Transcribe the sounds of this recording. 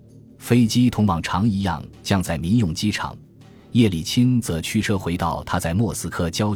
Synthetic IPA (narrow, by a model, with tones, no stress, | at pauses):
fe˥ɪt͡ɕi˥t̪ʰʊ˧˥ŋpɑ˨˩ŋʈ͡ʂʰɑ˧˥ŋi˧˥jɑ̰˥˩ŋt͡ɕjɑ˥˧ŋt͡sa˥˩ɪmi˧˥njʊ˨˩ŋt͡ɕi˥ʈ͡ʂʰɑ̰˨˩˦ŋ | jɛ˥˩li˨˩t͡ɕʰi˥nt͡sɤ˧˥t͡ɕʰy˥˧ʈ͡ʂʰɤ˥xwe˧˥ɪt̪ɑ˥˩ʊt̪ʰa˥t͡sa˥˩ɪmwɔ˥˩sɹ̩˥kʰɤ˥t͡ɕjɑ˥ʊ